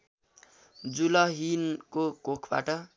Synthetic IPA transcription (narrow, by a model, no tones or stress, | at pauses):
d͡zulʌɦinkokokʰba̰ʈʌ